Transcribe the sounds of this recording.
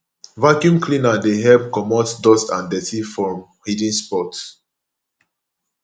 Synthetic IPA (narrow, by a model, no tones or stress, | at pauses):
vakjũmklĩnadeɦɛlp̚kɔmɔtdɔstãndɛtifɔmhidĩnspɔt